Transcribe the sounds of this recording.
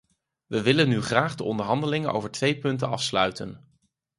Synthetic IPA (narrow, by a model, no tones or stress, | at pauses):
ʋəʋɪlənːyχraːχdəʔɔndəɹɦɑndəlɪŋənʔo̰wvəɹtʋejpɵntənɑ̰fslœɥtə̰n